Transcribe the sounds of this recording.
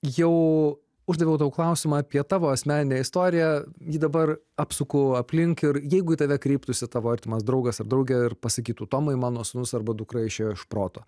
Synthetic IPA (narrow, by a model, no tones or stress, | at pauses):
jɛʊ | ʊʒd̪ɐʋʲɛʊd̪ɐʋʊklˠɐʊsʲɪmɑɐpʲiɛt̪ɑːʋoːɐsʲmʲæːnʲɪnʲeːɪst̪oːɾʲɪjæjiːd̪ɐbɐr | ɑːpsʊkʊɐpʲlʲɪŋkɪɾjɛɪɡʊit̪ɐʋʲɛkɾʲiːpt̪ʊsʲɪt̪ɑːʋoːɐɾʲt̪ʲɪmɐsd̪ɾɐʊɡɐsɐrd̪ɾɐʊɡʲɛɪrpɐsɐkʲiːt̪uːt̪oːmɐɪmɑːnoːsʊnʊsɐrbɐd̪ʊkrɐɪʃʲeʃpɾoːt̪oː